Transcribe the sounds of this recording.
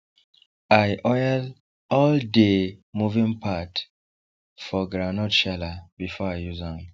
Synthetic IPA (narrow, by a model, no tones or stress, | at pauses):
ajʔɔjad | ɔldemuvĩnpʰat | fɔɡɾanɔtʃalabifɔajjuzãŋ